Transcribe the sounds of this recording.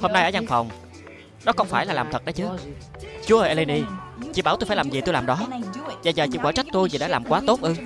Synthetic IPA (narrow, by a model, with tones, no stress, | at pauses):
ho˧mna˧jʔəː˧˦za˧ŋfa˨˩wŋ͡m | ɗɔ˨˦kɔ˧wŋ͡mfaː˧˩jlaː˨˩laː˨˩mt̪ʰə˨˩t̚ɗə˨˦t͡ɕɨ˨˦ | t͡ɕu˨˦əʔəː˧˩ʔa˧le˧ni˧t͡ɕḭ˧˩˦ɓaː˧˩wt̪o˧faː˧˩laː˨˩mzi˨˩t̪o˧jlaː˨˩mɗɔ˨˦zaː˨˩zəː˨˩t͡ɕḭ˧˩ɓaː˧˩t͡ɕa˦˥k̟̚t̪u˧jzi˨˩ɗa̰ː˧˥˦laː˨˩mkwaː˨˦t̪o˦˥t̚ʔɨ˧